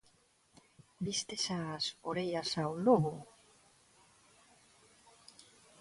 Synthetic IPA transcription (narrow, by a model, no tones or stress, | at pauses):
bist̪esasoɾejasawloɣo